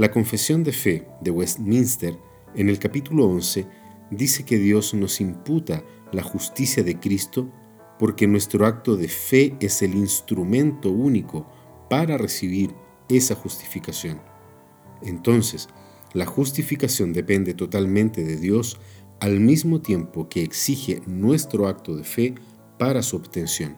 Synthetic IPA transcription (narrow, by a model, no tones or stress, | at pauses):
lako̞ɱfe̞sjo̞nd̪e̞fe̞ðe̞west̪mĩnst̪eɾ | ene̞lkapit̪uloonse̞ | d̪ise̞ke̞ðjo̞zno̞simput̪a | laxust̪isjaðe̞kɾist̪o | po̞ɾke̞nwe̞st̪ɾoak̚t̪o̞ðe̞fe̞ese̞linst̪ɾumẽ̞nt̪o̞uniko | paɾaresiβ̞iɾ | e̞saxust̪i̥fikasjo̞n | e̞nt̪o̞nse̞s | laxus̬t̪ifikasjo̞nd̪e̞pe̞nd̪e̞t̪ot̪almẽnt̪eðeðjo̞s | almizmo̞t̪je̞mpokeːksixenwe̞st̪ɾoak̚t̪oðefe̞ | paɾasuoβt̪ensjo̞n